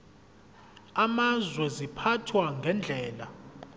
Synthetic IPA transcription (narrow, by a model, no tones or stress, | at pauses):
amazwɛzipʰatʰwaŋɡʱɛnd͡ɮʱɛːla